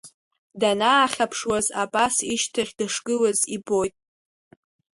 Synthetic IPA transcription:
danaːχʲapʰʂwazabʼasiʃtʰaχʲdaʂɡʼɨlazibo̞jtʼ

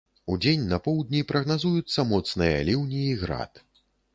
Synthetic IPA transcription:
ud͡zʲenʲnɐpɔwd̪ʲnʲipɾɐɣnazujut̪sːɐmɔt̪snɨjɐ̰lʲiwnʲiːɣɾa̰t̪

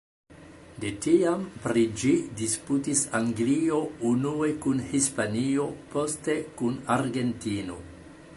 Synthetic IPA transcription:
detiampɾid͡ʒidisputisaŋɡlio̞unue̞kunhispanio̞po̞ste̞kunaɾɡe̞ntino̞̰

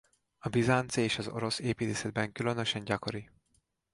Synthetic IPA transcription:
ɒbizant̪seːʃɒzo̞̰ɾo̞seːpiːt̪eːsɛd̪̚bɛŋkylønøʃɛɲɟɒko̞ɾi

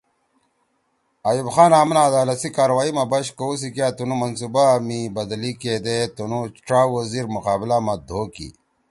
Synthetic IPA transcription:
ajubxaːnaːmnaːd̪aːlɐsikaːɾwaːimabɐɕkous̬ikjaːt̪unumɐnsubamibɐd̪liked̪et̪unut͡ʃʈ͡ʂaːwɐziɾmuqaːblamɐd̪ʱoːkḭ

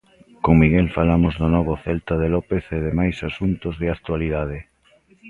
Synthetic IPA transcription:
koŋmiɣɛlfalamozðʊnɔβ̞oθɛlt̪aðelɔpeθeðemajsasunt̪ozðɪak̚t̪waliðað̞ɪ

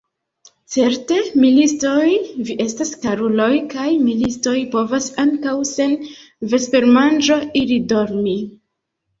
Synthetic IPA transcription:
t͡se̞ɾte̞milisto̞jviʔe̞staskaɾulo̞jkajmilisto̞jpo̞vasaŋkawse̞n | ve̞spe̞ɾmand͡ʒo̞ilido̞ɾmi

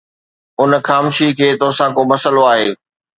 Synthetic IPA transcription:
ʊnəxaːmʊʃikʰeːt̪osãkomɐsəloaːɦeː

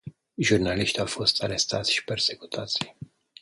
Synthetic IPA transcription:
ʒurnaliʃt̪ʲawfo̞st̪aɾe̞st̪a̰t̪sʲʃi̥pe̞rse̞ku̥t̪ʰat̪sʲ

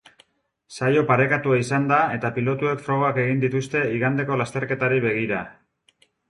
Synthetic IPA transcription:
sajo̞paɾe̞kat̪uaisand̪ae̞t̪apilo̞t̪ue̞kfɾo̞ɣ̞o̞ake̞ɣind̪it̪ust̪e̞iɣand̪e̞ko̞last̪e̞ɾke̞t̪aɾiβe̞ɣ̞iɾa

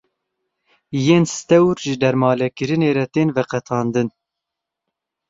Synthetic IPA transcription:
jeːnst̪ɛwɾʒɨd̪ɛɾmɑːlɛkɨɾɨneːɾɛt̪eːnvɛqɛt̪ʰɑːnd̪ɨn

